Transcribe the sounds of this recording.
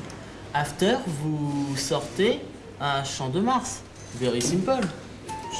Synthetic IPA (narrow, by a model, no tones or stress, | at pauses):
aft̪œʁvusɔʁt̪e | ɛ̃ʃɑ̃d̪əmaʁs | veʁisimpɔl